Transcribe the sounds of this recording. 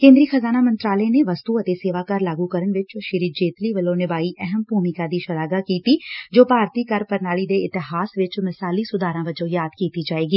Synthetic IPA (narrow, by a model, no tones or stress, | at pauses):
kẽːnd̪ɾixɐzaːnamɐ̃nt̪ɾaːləeneʋɐst̪uɐt̪eseːʋaːkɐɾlaːɡukəɾəɳʋɪt͡ʃʃɪɾid͡ʒeːt̪liʋəlõnɪbaːiʔɛɦɛmpuːmɪkad̪iːʃɐlaːɡakiːt̪id͡ʒoːpaːɾt̪ikɐɾpɐɾnaːɭid̪eɪt̪ɪɦaːsʋɪt͡ʃmɪsaːlisʊd̪ʱaːɾãʋɐd͡ʒõːjaːd̪kiːt̪id͡ʒaːeːɡiː